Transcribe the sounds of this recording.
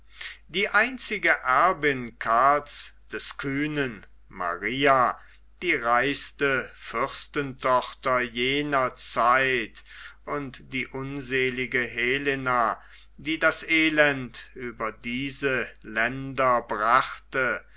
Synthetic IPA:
d̥iːʔaɪnt͡sɪɡəʔɛɐbɪnkʰalsd̥ɛskʰyːnən | ma̰ʁiːa | d̥iːʁaɪstəfʏʁstəntʰɔχtɐjeːnɐt͡saɪtʔʊntd̥iːʔʊnzeːlɪɡəɦeːlena | d̥iːdasʔeːlɛntʔyːbɐdiːzəlɛndɐbʁaχtə

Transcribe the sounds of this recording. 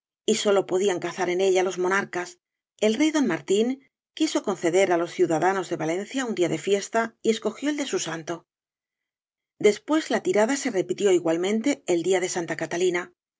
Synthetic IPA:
iso̞lo̞po̞ðiaŋkaθaɾe̞ne̞ʎalo̞zmo̞naɾkas | e̞lre̞jðo̞nmaɾt̪iŋ | kiso̞ko̞nθe̞ðe̞ɾalo̞sθjuðaðano̞zðe̞βalẽ̞nθjaund̪iaðe̞fje̞st̪aie̞sko̞xjo̞eld̪e̞susant̪o̞ | d̪e̞spwe̞zlat̪iɾaðase̞re̞pit̪jo̞iɣwalmẽ̞nt̪e̞ːld̪iaðe̞sant̪akat̪alina

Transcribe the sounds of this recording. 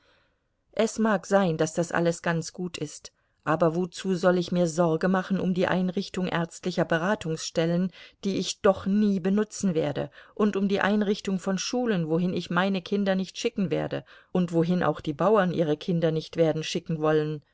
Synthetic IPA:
ʔɛsmaːkz̥aɪnd̥asd̥asʔa̰ləsɡ̥a̰nt͡sɡ̥uːtʰɪst | ʔaːbɐvot͡suːzɔlɪçmiːɐzɔɐɡəmaχn̩ʊ̰mdiːʔa̰ɪnʁɪçtʊŋʔɛ̰ɐt͡stlɪçɐbəʁ̞aːtʰʊŋsʃtɛlənd̥iːɪçd̥ɔχniːbənʊt͡sn̩veːɐdə̰ʔʊntʊmdiːʔa̰ɪnʁɪçtʊŋfɔnʃuːlənvoɦɪnɪçmaɪnəkʰɪndɐnɪçtʃɪkŋ̩veːɐdəʔʊntv̥oɦɪnʔa̰ʊxd̥iːbaʊɐnʔiːʁ̞əkʰɪndɐnɪçtv̥eːɐdn̩ʃɪkŋ̩vɔlən

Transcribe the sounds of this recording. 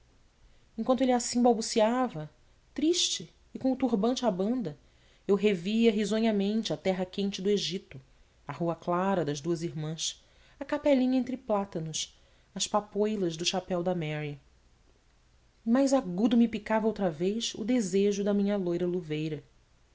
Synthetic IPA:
ẽkwɐ̃nt̪ʊelɪasĩbawbusiavɐ | t̪ɾiʃt͡ʃɪː | kõʊt̪uɦbɐ̃nt͡ʃɪabɐ̃nd̪ɐ | ewɦeviɐɦizõɲɐmẽnt͡ʃɪat̪ɛɦɐkẽnt͡ʃɪd̪ʊeʒit̪ʊ | ɐhuɐklaɾɐd̪ɐzd̪uɐziɦmɐ̃s | ɐkapɛlĩɲɐẽnt̪ɾɪplat̪ɐnʊs | ɐspapojlˠɐʒd̪ʊʃapɛwd̪ɐmɛɾi | ɪmajzaɡud̪ʊmipikavɐowt̪ɾɐvejʃʊ̰d̪ezeʒʊd̪ɐmĩɲɐlojɾɐluvejɾɐ

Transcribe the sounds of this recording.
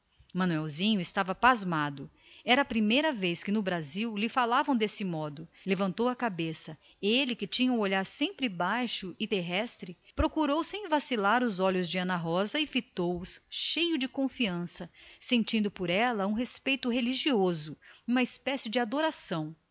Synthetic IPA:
mɐ̃nuɛwzĩɲʊɪst̪avɐpazmad̪ʊ | ɛɾɐːpɾimejɾɐveskɪnʊbɾaziwlɪfalavɐ̃w̃d̪esɪmɔd̪ʊlevɐ̃nt̪owɐkabesɐ | elɪkɪt͡ʃĩɲɐ̃oʎaɾsẽmpɾɪbajʃʊɪt̪eɦɛst̪ɾɪpɾokuɾowsẽj̃vasilaɾʊzɔʎʊzd͡ʒɪɐ̃nɐɦɔzɐɪfit̪owʊsʃejʊd͡ʒɪkõfiɐ̃sɐsẽnt͡ʃĩnd̪ʊpʊɾɛlɐũɦespejt̪ʊɦeliʒiozʊũmɐɪspɛsɪd͡ʒɪad̪oɾasɐ̃w̃

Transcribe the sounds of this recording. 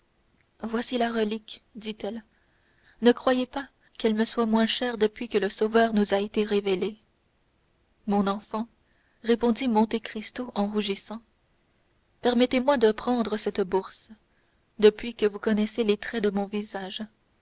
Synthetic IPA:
vwasilaʁəlikd̪it̪ɛl | nəkχwajepa | kɛlməswamwɛ̃ʃɛːʁd̪əpɥikələsovœːʁnuzaet̪eʁevele | mɔ̃nɑ̃fɑ̃ | ʁepɔ̃d̪imɔ̃t̪ekχist̪oʔɑ̃ʁuʒisɑ̃ | pɛʁmɛt̪emwad̪əpχɑ̃d̪ʁəsɛt̪buʁs | d̪əpɥikəvukɔnɛselet̪χɛd̪əmɔ̃vizaːʒ

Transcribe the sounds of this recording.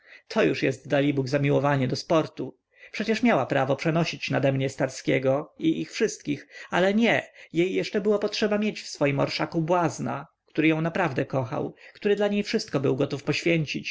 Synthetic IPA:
t̪ʰɔjuʂjɛst̪d̪alʲibuɡzamʲiwɔvaɲɛd̪ɔspɔɾt̪u | pʂɛt͡ɕɛʂmʲjawapɾavɔpʂɛnɔɕit͡ɕnad̪ɛmɲɛst̪aɾskʲɛ̰ɡɔiʔixfʂɘst̪̚kʲixalɛɲɛjejːɛʂt͡ʂɛbɘwapɔtʂɛbamʲjet͡ɕfsfɔjimɔ̰ɾʂakubwazna̰kt̪uɾɘjɔ̃w̃napɾavd̪ɛkɔxa̰wkt̪uɾɘd̪laɲejfʂɘst̪kɔbɘwɡɔt̪ufpɔɕfʲjeɲt͡ɕit͡ɕ

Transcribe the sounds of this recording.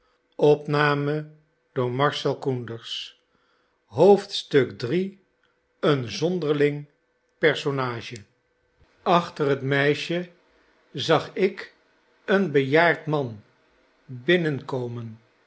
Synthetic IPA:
ɔpnaːmə | d̥ʊːɹmɑɹʃɛlˠkundəɹs | ɦowftstɵkdri | ənzɔndəɹlɪŋ | pɛɹsonaːʃə | ɑχtərɦətmɛjʃə | zɑχɪk | ənbəjaːɹtmɑn | bɪnənkowmən

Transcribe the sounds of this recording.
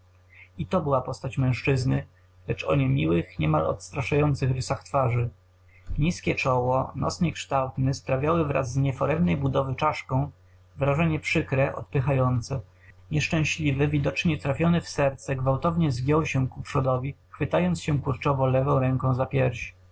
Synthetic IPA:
it̪ɔbɘwapɔst̪at͡ɕmɛ̃w̃ʂt͡ʂɘznɘ | lɛt͡ʂɔ̰ɲɛmʲiwɘxɲɛmalɔ̰t̪st̪ɾaʂajɔnt̪sɘxɾɘsaxt̪faʐɘ | ɲiskʲɛt͡ʂɔwɔnɔ̰sɲɛkʂt̪awt̪nɛspɾavʲjawɘvɾa̰zːɲɛfɔɾɛmnɛjbud̪ɔvɘt͡ʂaʂkɔ̃w̃ | vɾaʐɛɲɛpʂɘkɾɛʔɔ̰t̪̚pɘxajɔnt̪sɛ | ɲɛʂt͡ʂɛ̃w̃ɕlʲivɛvʲid̪ɔt͡ʂɲɛt̪ɾafʲjɔnɛfsɛɾt̪sɛɡvawt̪ɔvɲɛzɡʲjɔwɕɛkupʂɔd̪ɔvʲixfɘt̪ajɔnt̪sɕɛkuɾt͡ʂɔvɔlɛvɔ̃w̃ɾɛŋkɔ̃w̃zapʲjɛɾɕ

